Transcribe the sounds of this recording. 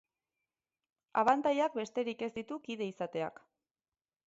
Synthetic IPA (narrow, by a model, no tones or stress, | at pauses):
aβ̞ant̪ajak̚be̞st̪e̞ɾike̞zd̪it̪ukiðe̞isat̪e̞a̰k